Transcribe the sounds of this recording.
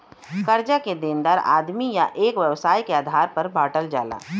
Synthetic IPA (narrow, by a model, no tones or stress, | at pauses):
kɐɾd͡ʒaked̪ẽːnd̪aɾa̰ːd̪mijaʔeːkʋjɐʋsaːjkeaːd̪ʱaːɾpɐɾbʱaːʈəld͡ʒa̰ːla̰ː